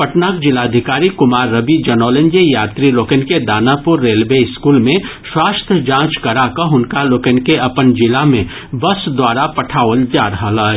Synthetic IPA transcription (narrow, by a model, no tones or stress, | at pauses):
pɐʈnaːkd͡ʒɪlaːd̪ʱɪkaːɾikʊmaːɾːɐbid͡ʒɐnɔːlə̃nd͡ʒejaːt̪ɾiloːkənked̪aːnapʊɾːeːlbeɪskuːlmẽswaːst̪ʰəd͡ʒãːt͡ʃkɐɾakəɦʊnkaloːkenkeɐpənd͡ʒɪlamẽ | bɐsd̪waːɾapɐʈʰaːʋəld͡ʒaːɾɐɦalaː